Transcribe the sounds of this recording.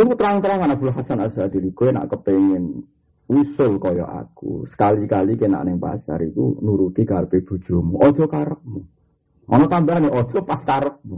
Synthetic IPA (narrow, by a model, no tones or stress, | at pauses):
ikut̪əɾant̪əɾamanab̥ulɦhasanasad̪̥i̤likoena̰ʔkəpeŋɪn | usʊlkɔjɔ̰ʔa̰kṵsə̥kalikalikena̰ʔnɪŋpa̰sa̰ɾikṵnuɾut̪iɡ̥arpeb̥ṳd̥ʒ̥ɔ̤muʔɔd̥ʒ̥ɔ̤kaɾək̚mu | ʔɔ̰nɔt̪ambaɾaneɔd̥ʒ̥ɔpaskaɾək̚mu